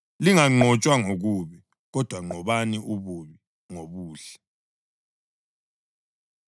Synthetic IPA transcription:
liŋaŋ͡ǃɔt͡ʃʼwaŋoɣuβi | ɣɔd̥ʱwaŋ͡ǃɔβaniʔuβuβi | ŋoβuːɬɛ

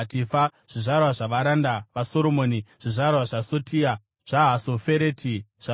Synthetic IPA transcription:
tifaʐ̥iʐarwaʐaʋaɾandaʋaso̞ɾo̞mo̞ːniʐ̥iʐarwaʐasotʰia | ʐ̥aɦasofeɾeːtʰiʐa

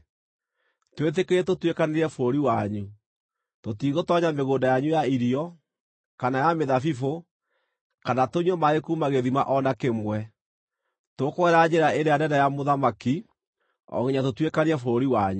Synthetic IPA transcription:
twet̬ekeɾɛtotwekaneɾɛfoɾoɾiwaɲu | totiɣotɔɲameɣoːndajaɲujaiɾiɔ | kanajameðafifo | kanatoɲɔmaekumaɣeðimaʔɔnakemwɛ | tokoɛɾad͡ʑeɾaeɾejandɛndajamoðamaki | ɔ̰ɣiɲatotwekaneɾɛfoɾoɾiwaɲu

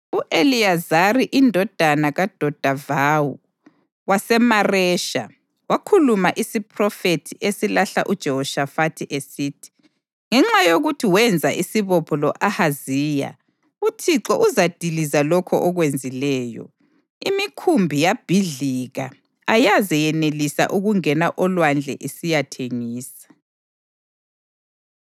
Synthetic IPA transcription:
uʔeliazariʔindʱɔd̥ʱanaɣad̥ʱɔd̥ʱavawṵ | wasɛmarɛːʃa | wakʰulumaʔisipʰrɔfetʰiʔesilaɬa̰ʔud̥ʒ̥ʱɛhɔʃafatʰiʔesiːtʰi̥ | ŋɛŋ͡ǁajoɣutʰiwɛnd͡zʱaʔisiβɔpʰɔlɔʔahazija̰ | utʰiǁɔʔuzad̥ʱilizalɔkʰɔʔɔɣwend͡zʱilɛːjɔ̰ | imikʰumbʱijab̥ʱiɮiɣa̰ | ajazɛjɛnelisa̰ʔuɣuŋɛnaʔɔlwand͡ɮʱɛ̰ʔesijatʰeŋiːsḁ

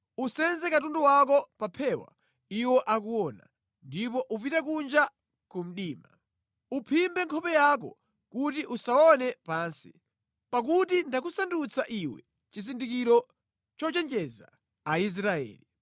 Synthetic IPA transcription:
usɛnzɛkatunduwakɔpapʰɛwa̰ | iwɔʔakuwɔna̰ | ndipɔʔupitakund͡ʒa | kum̩ɗiːma | upʰimbɛŋkʰɔpɛjak̬ɔ̰ | kutiʔusaɔnɛpaːnsi | pakutindakusandut͡sʰaʔiwɛ̰ | t͡ʃisindikiɾɔ | t͡ʃɔt͡ʃɛnd͡ʒɛza̰ | ais̬ɾaɛ̰ːli

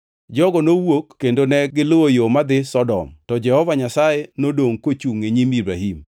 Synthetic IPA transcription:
d͡ʒɔɡɔnowokːendonɛɡɪloojomad̪ɪsɔdɔ̰mtɔd͡ʒɛhɔvaɲasajɛnodoŋkot͡ʃuŋeɲimibɾa̰ɦim

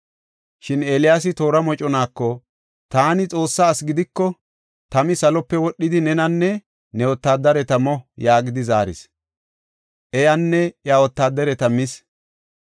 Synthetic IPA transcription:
ʃɪneːlɪjaːs̬ɪt̪o̞ːɾɐmɔt͡ʃʼɔnaːkːɔ | t̪aːnɪt͡sʼo̞ːsːaːsɡɪd̪ɪkːɔ | t̪ɐmɪsɐlɔpːɛwɔɗːɪd̪ɪnɛnɐnːɛ | nɛwɔt̪ːaːd̪ːɐɾɛt̪ɐmɔjaːɡɪd̪ɪzaːɾɪ̰s | ʔɛjɐnːɛjawɔt̪ːaːd̪ɐɾɛt̪ɐmɪs

